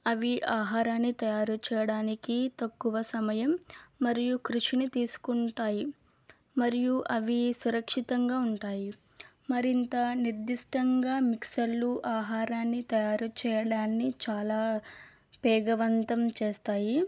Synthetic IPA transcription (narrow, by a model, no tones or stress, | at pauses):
ɐʋiʔaːɦaːɾaːnːit̪ɐjaːɾut͡ʃɛːjɐɽaːnikit̪ɐkːuʋɐsɐmɐjɐmːɐɾijukɾuʂinit̪iːsu̥kuɳʈaːji | mɐɾijuʔɐʋisuɾɐkʂit̪ɐŋɡaːuɳʈaːji | mɐɾint̪ɐniɾd̪iʂʈɐŋɡaːmiksɐlːuʔaːɦaːɾaːnːit̪ɐjaːɾut͡ʃɛːjɐɽaːnːit͡ʃaːlaː | pɛːɡɐʋɐnt̪ɐmt͡ʃeːst̪aːji